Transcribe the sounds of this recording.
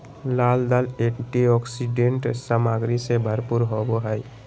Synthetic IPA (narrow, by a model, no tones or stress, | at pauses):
laːld̪aleʈiɔːksiɖeɳʈsəmaːɡɾisebʱəɾpuɾɦoboɦai